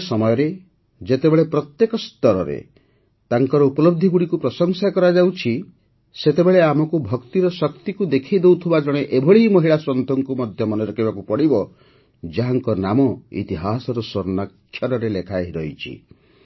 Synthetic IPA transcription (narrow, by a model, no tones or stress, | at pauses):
sɔmɔjɔɾe | d͡ʒet̪ebeɭepɾɔt̪jekɔst̪ɔɾɔɾḛ | t̪aŋkɔɾɔupɔlɔb̚d̪ʱiɡuɽikupɾɔsɔŋsakɔɾad͡ʒawt͡ʃʰi | set̪ebeɭeamɔkubʱɔkt̪iɾɔsɔkt̪ikud̪ekʰid̪ewt̪ʰibad͡ʒɔɽ̃eʔebʱɔɭiimɔɦiɭasɾɔnt̪ʰɔŋkumɔd̪ʱjɔmɔnɔɾɔkibakupɔɽibɔ | d͡ʒaɦaŋkɔnamɔḭt̪iɦasɔɾɔsoɾnakʰːjɔɾɔɾelekʰaɦiɾɔit͡ʃʰḭ